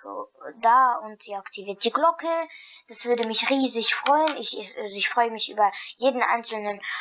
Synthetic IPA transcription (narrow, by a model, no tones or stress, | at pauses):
daːʊntd̥iaktʰiviːɐt̚d̥iɡlɔkʰəd̥asv̥ʏɐdəmɪçʁiːzɪçfʁ̥ɔʏənɪçʔazoɪçfʁ̥ɔʏəmɪçʔy̰ːbɐjeːdn̩ʔa̰ɪnt͡sl̩nən